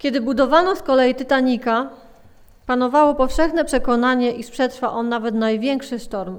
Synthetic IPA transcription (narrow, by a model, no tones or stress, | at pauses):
kʲɛd̪ɘbud̪ɔvanɔskɔlɛjit̪ɘt̪aɲika | panɔvawɔpɔfʂɛxnɛpʂɛkɔnaɲɛʔiʂpʂɛt̪ʂfaʔɔnːavɛt̪najvʲjɛŋkʂɘʂt̪ɔɾm